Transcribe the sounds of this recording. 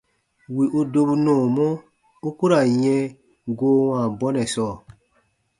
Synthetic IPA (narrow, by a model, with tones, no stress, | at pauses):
wi˨ʔu˦do˧bu˧nɔ̃ː˨mɔ̃˦ | u˦ku˦ɾa˨jɛ̃˧ | ɡoː˦wãː˨bɔ˦nɛ̃˨sɔː˦˨